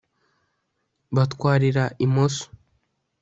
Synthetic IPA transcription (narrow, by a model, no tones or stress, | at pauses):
βat̪kwaːɾiɾaʔimoso̥